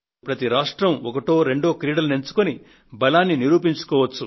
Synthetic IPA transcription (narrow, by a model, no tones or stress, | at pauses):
pɾɐt̪iɾaːʂʈɾɐmɔkɐʈo̞ːɾe̞ɳɖo̞ːkɾiːɽɐlune̞nt͡ʃu̥koni | bɐlaːnːiniɾuːpiɲt͡ʃu̥kɔːʋɐt͡ʃːu